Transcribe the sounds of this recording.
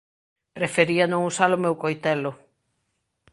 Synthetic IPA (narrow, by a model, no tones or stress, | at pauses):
prefeɾianõŋusalʊmewkojt̪ɛlʊ